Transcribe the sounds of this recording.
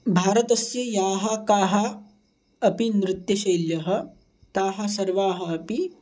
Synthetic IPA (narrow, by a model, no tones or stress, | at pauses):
bʱaːɾɐt̪ɐsjɐjaːɦɐkaːɦɐː | pinɾɪt̪jɐʃɐjljɐɦɐ̆ | t̪aːɦɐsɐɾʋaːɦɐɐpi